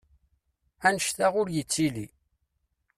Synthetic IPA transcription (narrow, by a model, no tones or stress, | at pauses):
ænəʃθaʁʊɾjət͡sːili